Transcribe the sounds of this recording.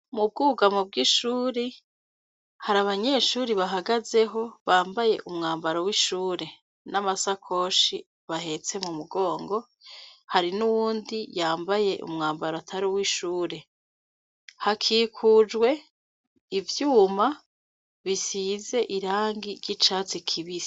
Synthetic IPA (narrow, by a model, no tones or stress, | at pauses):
mub̚ɡuːɡamub̚ɡiːʃuːɾe | haɾaβaɲe̞ʃuːɾiβaɦaɡaze̞ɦo̞βaːmbaje̞̰ʔumŋaːmbaɾowiʃuːɾe̞ | namasakʰo̞ʃi | βahe̞t͡se̞mumuɡo̞ːŋɡo̞ | haɾinuwuːndijaːmbaje̞ʔṵmŋaːmbaɾoatʰaɾiwiʃuːɾe̞ | hakʰiːkʰud͡ʒɡwe̞ | ivjuːma | βisize̞ʔiɾaːŋɡiɾɟit͡ʃaːt͡sikʰiβi